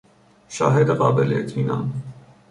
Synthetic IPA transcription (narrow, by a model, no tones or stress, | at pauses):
ʃɑɦɛɾəʁɑbɛlɛ̰t̪ʰinɑ̰n